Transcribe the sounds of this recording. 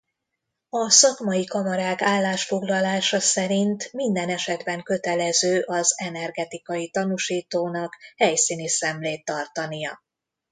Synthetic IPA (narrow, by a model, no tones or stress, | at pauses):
ɒsɒkmɒjikɒmɒɾaːkaːlːaːʃfo̞ɡlɒlaːʃɒsɛɾint̪mind̪ɛnɛʃɛd̪bɛŋkø̞t̪ɛlɛzøːʔɒzɛnɛrɡɛt̪ikɒjit̪ɒnuʃiːt̪oːnɒkhɛjsiːnisɛmleːt̪ːɒrt̪ɒnijɒ̰